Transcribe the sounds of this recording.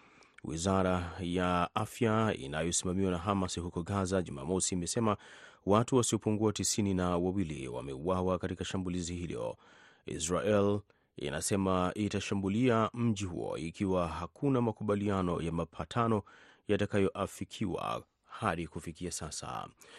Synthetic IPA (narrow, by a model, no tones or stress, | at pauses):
wḭzaɾajaʔafjaḭnajɔsimamiwanaɦamasiɦukɔɡazaʄuma̰ːmɔsiːmɛsɛmawatuwasiɔpuŋɡuatisininawawilḭwa̰mɛuwawakatikaʃambulizihilɔ̰ | ḭsɾaʔɛl | ḭna̰sɛmaitaʃambuliam̩ʄiɦṵɔ̰ikʰiwaɦakʰunamakuɓalianɔjamapʰatʰanɔ | jatakajɔʔafikʰiwa̰ | haɗikufikiasasa̰